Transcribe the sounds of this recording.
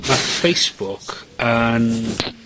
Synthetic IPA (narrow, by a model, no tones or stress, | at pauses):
mafejsb̥ʊkʰən